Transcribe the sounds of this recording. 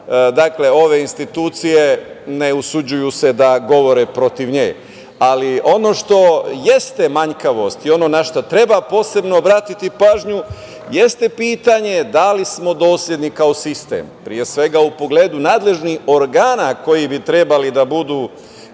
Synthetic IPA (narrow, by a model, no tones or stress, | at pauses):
d̪akle̞o̞ʋe̞inst̪it̪uːt̪sije̞ne̞usud͡ʑujuse̞d̪aɡo̞ʋo̞ɾepɾo̞t̪iʋɲḛːj | aliʔo̞noʃt̪o̞jest̪emaɲkaʋo̞st̪io̞no̞naʃt̪ot̪ɾe̞bapo̞ːse̞bnoːbɾat̪it̪ipaːʒɲu | je̞st̪epiːt̪aɲe̞d̪alismo̞d̪o̞ːslʎʲje̞d̪nikao̞sist̪ḛmpɾije̞sʋe̞ɡaupo̞ɡle̞ːd̪unaːd̪le̞ʒniho̞ɾɡaːnako̞jibit̪ɾe̞balid̪abud̪uː